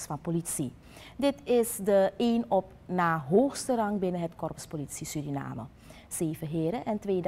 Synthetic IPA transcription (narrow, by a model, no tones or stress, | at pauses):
sfɑnpolitsi | dɪtɪsdəeːnɔp | naːɦoːxstərɑŋbɪnəɦətkɔrpəspolitsisydina̰ːmə̰ | z̥eːvəɦɪːɾəʔɛntʋeːd